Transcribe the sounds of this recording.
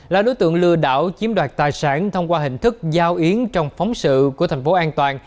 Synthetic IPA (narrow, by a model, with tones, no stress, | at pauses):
laː˨˩ɗo˨˦jt̪ɨ̰˧˨əŋlɨ˧əɗa̰ː˧˩wt͡ɕi˨˦əmɗwaː˨˩t̚t̪aː˨˩jsa̰ː˧˩nt̪ʰə˧wŋ͡mkwaː˧ɦḭ̈˧˨ŋ̟t̪ʰɨ˦˥k̚zaː˧wʔi˨˦ənt͡ɕɔ˧wŋ͡mfɔ˨˦wŋ͡msɨ̰˧˨ku˧˩ət̪ʰjŋ̟fo˨˦ʔaː˧nt̪waː˨˩n